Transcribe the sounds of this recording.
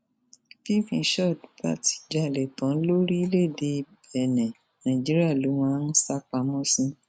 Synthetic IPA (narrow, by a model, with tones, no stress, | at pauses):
ki˦˨fĩ˧˦ʃɔ˦˨du˨˦ba̰˦˨ti̥˨d͡ʒa˨lɛ˨tã˨˦n̩˦lo˦ɾi˦i˦le˦˨de˧˦˧bɛ˨nɛ̃˨ | nã˨ĩ˨d͡ʒi˨˦ɾi˦a˦˨lo˨˦wã˦ñ̩˦sa˦k͡pa˧mɔ̃˦sĩ˦